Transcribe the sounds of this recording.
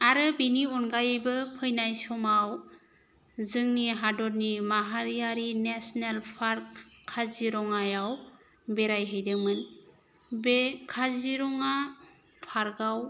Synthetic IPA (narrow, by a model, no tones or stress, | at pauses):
aɾɯbiniɔnɡajɯjbɯpʰɯjnajsɔmaw | zɯŋniɦadɔɾnimaɦaɾijaɾinesnalpʰaɾkʰː | aziɾɔŋajaw | bɛɾajɦɯjdɯmɯn | bekʰaziɾɔŋa | pʰaɾɡaw